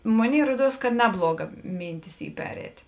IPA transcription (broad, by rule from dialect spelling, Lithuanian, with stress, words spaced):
ˈmoːˌnʲeːɪ ˈruɔˌduɔs kɐ ˈnʲæːblˠuɔˌɡɐ ˈmʲiːnʲˌtʲɪs ˈiː ˈpʲæːrʲɛːt